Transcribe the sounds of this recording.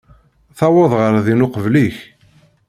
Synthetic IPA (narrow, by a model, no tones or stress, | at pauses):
θɑwɑðˤʁəɾðinʊqəvliç